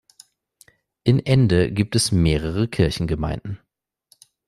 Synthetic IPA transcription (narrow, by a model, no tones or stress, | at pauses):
ʔɪmʔɛndəɡiːp̚tɛsmeːʁ̞əʁəkʰɪɐçn̩ɡəma̰ɪnd̥n̩